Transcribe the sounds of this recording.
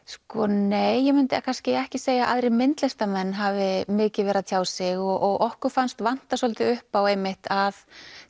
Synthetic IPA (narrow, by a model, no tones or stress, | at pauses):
skɔneːjːɛmʏnt̪ɪakʰanscɪɛhcɪseːjaʔa̰ðɾɪmɪnt̪lɛst̪amɛnːɦavɪmɪːcɪvɛːɾaðt̪ʰjaːwsɪɣɔɣɔɣʔɔhkʏɾ̥fanst̪van̥t̪asɔlt̪ɪʏhpaweːjmɪht̪að